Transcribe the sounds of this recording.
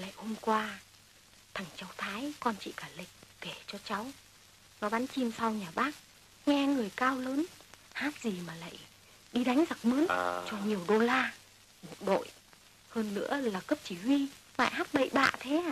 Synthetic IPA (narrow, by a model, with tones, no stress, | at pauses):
la̰ː˧˨jho˧mkwaː˧ | t̪ʰa˨˩ŋ̟t͡ɕa˨˦wt̪ʰaː˨˦jkɔ˧nt͡ɕḭ˧˨kaː˧˩lï˨˩k̟̚ke˧˩t͡ɕɔ˧t͡ɕa˨˦w | nɔ˨˦ɓaː˨˦nt͡ɕi˧msa˧wɲaː˨˩ɓaː˦˥k̚ | ŋɛ˧ŋɨ˨˩əjkaː˧wləː˨˦nhaː˦˥t̚zi˨˩maː˨˩la̰ː˧˨j | ɗi˧ɗa˨˦jŋ̟za˨˩k̚məː˨˦nt͡ɕɔ˧ɲi˨˩əwɗo˧laː˧ | mo˨˩t̚ɗo̰˧˨j | həː˧nːɨ̰˧˥əlaː˨˩kə˦˥p̚t͡ɕi˧˩hwi˧ma̰ː˧˨jhaː˦˥t̚ɓə̰˧˨jɓa̰ː˧˨t̪ʰe˨˦˧